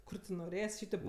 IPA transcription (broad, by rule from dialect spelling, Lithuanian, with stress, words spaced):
ˈkʊr tʲɪ noːˈrʲeːsʲ ˈʃʲiːtʲeːp